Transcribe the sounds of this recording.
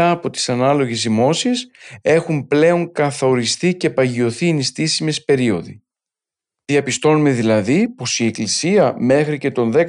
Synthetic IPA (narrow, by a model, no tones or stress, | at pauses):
ɐːpo̞t̪i̥sɐnɐlo̞ʝezðimo̞sise̞xumple̞o̞ŋkɐθo̞ɾist̪ice̞pɐʝio̞θinist̪isime̞spe̞ɾio̞ðḭ | iɐpist̪o̞nume̞ðilɐðipo̞sie̞klisiɐme̞xɾice̞t̪o̞nðe̞k